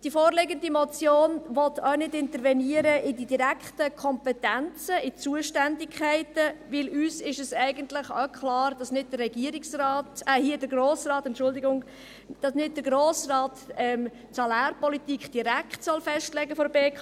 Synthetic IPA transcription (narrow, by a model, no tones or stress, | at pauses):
d̥ifoːɾlɪɡəndimɔt͡sjoːnʋɔtʰœʊnɪdɪntəɾvɛniəɾəʔɪdidiɾækχtəkʰɔmpɛtænt͡səɪt͡suəʃtændɪkʰχɛɪtəʋɪlyːsɪʃɛsɛɪɡəntlɪχakχlɑːɾd̥ɑsnɪd̚dərːɛɡ̥iəɾiksrɑːtɛhiədəɾɡroːsrɑːtɛntt͡ʃʃʊldiɡʊŋ | d̥ɑsnɪd̚d̥əɾɡɾoːsrɑːtɛm | sɑlæːɾpɔlitikχd̥iɾækχtsɔlfɛʃtlɛɡəfɔɾbeːkʰ